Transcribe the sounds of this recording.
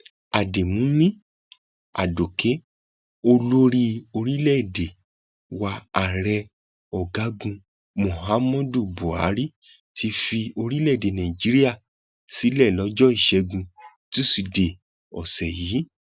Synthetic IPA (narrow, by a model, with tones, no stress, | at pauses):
a˨de˨mũ˨˦mĩ˦ | a̰˨do˨ke˨˦ | o˧lo˦ɾi˧o˧ɾi˦lɛ˦˨de˨ | wa˧a˨ɾɛ˧ | ɔ˨ɡa˨˦ɡũ˧ | mõ˨ha˨˦mɔ̃˦du˦˨bo˨a˨˦ɾi˦ | tʰi˧fi˧o˧ɾi˦lɛ˦˨de˨nã˨i˨d͡ʒi˨˦ɾi˦a˦˨ | si˨˦lɛ˦˨lɔ˨˦d͡ʒɔ˦i˦˨ʃɛ˧ɡũ˧ | ti˦si˨˧de˨ | ɔ˨sɛ˨jiː˨˦